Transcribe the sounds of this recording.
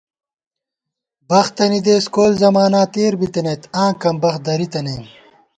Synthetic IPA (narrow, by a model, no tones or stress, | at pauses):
bɐxt̪ɐnid̪eːskoːlzɐmaːnaːt̪eːɾbit̪ɐnet̪ãːkɐmbɐxd̪ɐɾit̪ɐneːm